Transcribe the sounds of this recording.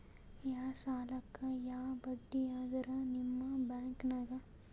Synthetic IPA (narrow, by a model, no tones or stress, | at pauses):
jaːsaːlɐkːajaːbɐɖːijaːd̪ɐɾanimːabɛːŋknɐɡa